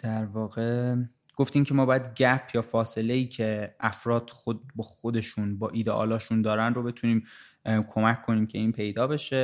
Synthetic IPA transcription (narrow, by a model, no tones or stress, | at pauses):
d̪̥æɾvɒːɣe̞ | ɡ̥o̞ft̪iːmcʰe̞mɒːbɒːjæd̪ɟæpʰjɒːfɒːse̞le̞jiːcʰe̞ʔæfɾɒːd̪̥xobɒːxod̪e̞ʃunbɒːʔiːd̪eʔɒ̰ːlɒːʃund̪ɒːɾænɾo̞be̞t̪ʰuniːm | kʰo̞mæckːo̞niːmcʰe̞iːnpʰe̞jd̪ɒːbe̞ʃe̞